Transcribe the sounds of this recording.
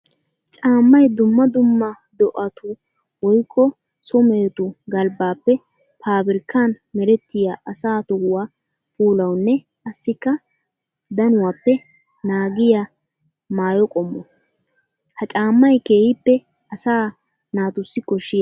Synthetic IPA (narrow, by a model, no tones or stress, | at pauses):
t͡ʃʼaːmːɐjd̪ʊmːɐd̪ʊmːɐ | d̪ɔʔɐt̪ʰʊ | wɔjkʰːɔ | sɔmeːt̪ʊɡɐlbaːpːɛ | pʰaːbɪɾkːaːn | mɛɾɛt̪ːɪjaʔɐsaːt̪ɔʊwaː | pʰuːlɐwnːɛ | ʔɐsːɪkːɐ | d̪ɐnʊwaːpːɛ | naːɡɪja | maːjɔkʼɔmːɔ | hɐt͡ʃʼaːmːɐjke̞ːhɪpːɛ | ɐsaː | naːt̪ʊsːɪkɔʃːɪjɐ